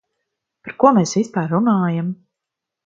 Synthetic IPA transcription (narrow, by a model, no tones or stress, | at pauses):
paɾkuɔmeːsvispaːɾːunaːjam